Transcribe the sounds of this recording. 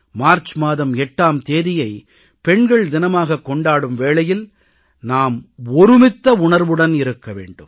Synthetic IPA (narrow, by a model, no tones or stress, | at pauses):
maːɾt͡ʃmaːðɐmɛʈːaːmt̪eːðɪjɐɪ | pɛɳɡɐɭd̪ɪnɐmaːɣɐkːɔɳɖaːɽɯmʋeːɭɐjɪl | naːmɔɾɯmɪt̪ːɐʊɳɐɾʋɯɽɐnɪɾɯkːɐʋḛːɳɖɯm